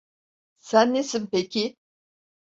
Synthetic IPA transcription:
sænːesimpecʰi

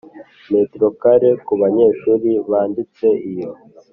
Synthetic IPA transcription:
me̞tɾo̞kaɾekuβaɲe̞ːʃuːɾiβaːndit͡se̞ʔijo

